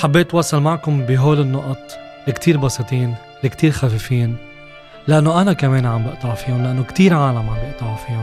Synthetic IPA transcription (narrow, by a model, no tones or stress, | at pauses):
ħabːeːt̪wɑːsˤɑlmaʕkʊmbɪɦoːlɪnːʊʔt̪ˤ | lɪkt̪ʰiːɾbɑsˤit̪ˤiːn | lɪkt̪iːɾxafɪfiːn | lɪʔanːoʔanakameːnʕambɪʔt̪ˤɑʕfiːʊnlɪʔanːokt̪iːɾʕaːlamʕambɪʔt̪ɑʕufiːʊn